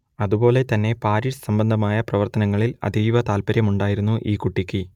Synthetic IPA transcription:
ɐðubo̞ːle̞t̪ɐnːe̞paːɾiʂsɐmbɐnd̪ʱɐmaːjɐprɐʋɐrt̪ɐnɐŋːɐɭilɐ̰d̪ʱijʋɐt̪aːlpɐɾjɐmuɳɖaːjiɾunːuʔiːkuʈːikʲːi

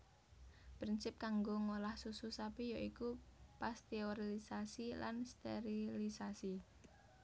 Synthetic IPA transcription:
pɾinsɪp̚kaŋɡoŋolahsususapijaʔikupast̪eoɾiisasila̰nst̪ḛɾilisasi

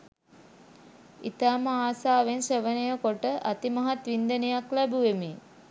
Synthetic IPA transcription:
it̪aːməaːsaːʋensəʋənəjəkoʈəʔat̪imaɦat̪ʋind̪ənijaklæbuʋemi

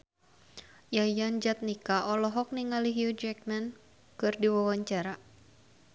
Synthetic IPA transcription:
jajand͡ʒat̪̚nikaʔɔlɔɦɔk̚niŋaliɦjud͡ʒɛk̚mɛn | kɨrdiwawaɲt͡ʃaɾa

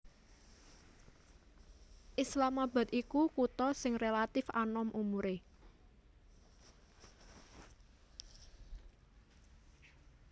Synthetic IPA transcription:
ʔɪslamaba̤t̪ikukut̪ɔsɪŋrelat̪ɪfa̰nɔmʔumuɾe

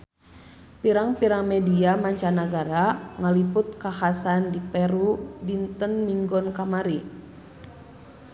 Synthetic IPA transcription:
piɾaŋpiɾaŋmɛdiamaɲt͡ʃanaɡaɾaŋalipʊt̪̚kahasandipɛɾudint̪ənmiŋɡɔnkamaɾi

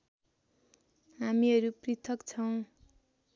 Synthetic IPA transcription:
ɦamiʌɾuprit̪ʰʌkt͡sʰʌw̃

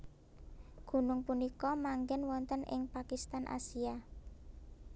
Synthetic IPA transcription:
ɡ̥ṳnʊŋpunikɔmaŋɡɛnwɔnt̪ənɪ̰ŋpakist̪anʔa̰sia

